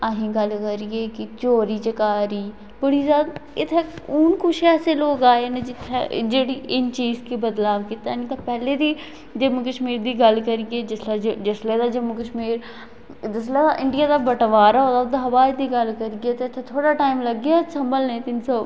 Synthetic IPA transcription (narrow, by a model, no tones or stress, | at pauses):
əɦĩːɡəlkəɾieːkɪt͡ʃoːɾiːt͡ʃəkaːɾiː | bəɽiːzaːd̪ɪt̪ʰːeːʊnkʊt͡ʃʰɛːseːloːkaːeːneːd͡ʒɪt̪ʰːḛd͡ʒeːɽiːʔɪnt͡ʃiːzkeːbəd̪laːʋkɪt̪aːniːt̪ãːpɛːleːd̪iː | d͡ʒəməkəʃmiːɾd̪iːɡəlkəɾɪːeːd͡ʒɪslːd͡ʒd͡ʒɪsleːd̪aːd͡ʒəməkəʃmiːɾ | d͡ʒɪslɛːd̪aːʔɪɳɖijaːd̪aːbəʈʋaːɾaːɦoːd̪aːd̪aːʋaːd͡ʒd̪iːɡəlkəɾɪɡeːt̪eːɪt̪ʰːeːt̪ʰoːɽaːʈaːimləɡjaːsəmbəlnẽːt̪ɪnsoː